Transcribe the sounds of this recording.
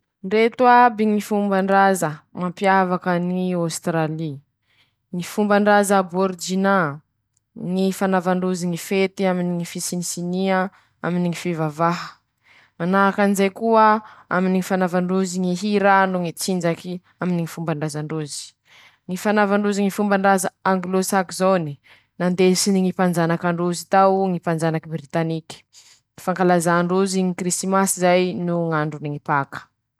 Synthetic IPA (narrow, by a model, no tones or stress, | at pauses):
ɳɖ͡ʐet̪uabiŋifumbaɳɖ͡ʐazəmampjavakəniawst̪ɾali | ŋifumbaɳɖ͡ʐazəboɾd͡ʒina | ŋifanavaɳɖ͡ʐuziŋifet̪iaminiŋifisinisiniə | aminiŋifivavaɦə̥ | manaɦakanizajkuəa̰miniŋifanavaɳɖ͡ʐuziŋiɦiɾanuŋit͡sind͡ʒaki | aminiŋifumbaɳɖ͡ʐazaɳɖ͡ʐuzi̥ | ŋifanavaɳɖ͡ʐuziŋifumbaɳɖ͡ʐazaaŋɡlosakizoni | nand̪esiniŋipand͡ʒanakaɳɖ͡ʐuzit̪awŋipand͡ʒanakibɾit̪anikʲə̥ | ifaŋkalazaɳɖ͡ʐuziŋikɾist̪imasizajnuŋaɳɖ͡ʐuniŋipakə̥